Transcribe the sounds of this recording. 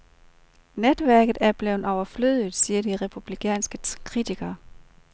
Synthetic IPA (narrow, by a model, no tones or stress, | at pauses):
ned̥ʋæɐ̰ɡ̥ð̩ˠæɐb̥le̝ʊn̩ɒʊɐfløð̞̰ˠð̩ˠsiːɐdiʁepʰub̥likʰɛ̰ːnsɡ̥əkʰʁit͡sʰiɡ̥ɐː